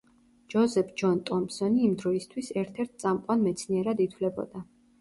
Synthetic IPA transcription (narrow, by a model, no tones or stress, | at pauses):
d͡ʒɔzɛpʰd͡ʒɔnt̪ʼɔmpsɔniːmd̪ɾɔist̪ʰwisɛɾt̪ʰɛɾt̪̚ʰt̪sʼamqʼwanmɛt̪sʰniɛɾad̪it̪ʰwlɛbɔ̰d̪a